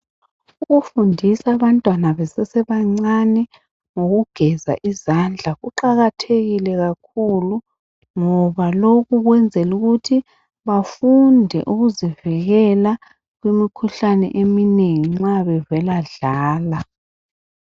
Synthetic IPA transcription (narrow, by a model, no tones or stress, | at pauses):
uɣufundʱisaβantʼwanaβɛsɛsɛβaŋ͡ǀanɛ | ŋoɣuɡ̥ʱɛza̰ʔizand͡ɮʱaɣuǃaɣatʰeɣilɛɣak̚ʰulu | ŋɔβaloɣuɣwɛnd͡zʱɛluɣutʰi | βafundʱɛ̰ʔuɣuziviɣɛla | ɣwimikʰuɬanɛ̰ʔemineŋiŋ͡ǁaβɛvɛlaɮaːla